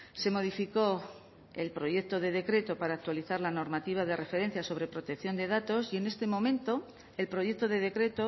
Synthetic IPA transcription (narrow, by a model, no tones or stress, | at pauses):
se̞mo̞ð̞ifiko̞ | e̞lpɾo̞ʝe̞kt̪o̞ð̞e̞ðe̞kɾe̞t̪o̞paɾaːk̚t̪waliθaɾlano̞ɾmat̪iβ̞aðe̞re̞fe̞ɾe̞n̟θjaso̞β̞ɾe̞pɾo̞t̪ekθjo̞nd̪e̞ðat̪o̞sie̞ne̞st̪e̞mõ̞mẽ̞nt̪o̞ | e̞lpɾo̞je̞k̚t̪o̞ðe̞ð̞e̞kɾe̞t̪o